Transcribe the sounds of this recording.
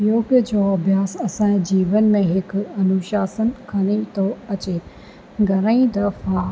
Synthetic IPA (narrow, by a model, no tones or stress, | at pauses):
joːɡd͡ʑoːɐbʱjaːsɐsãd͡ʑiːʋənmẽɦɪkɐnuʃaːsənkʰɐñit̪ʰoɐt͡ɕeː | ɡʱɐɾ̃aĩd̪ɐfa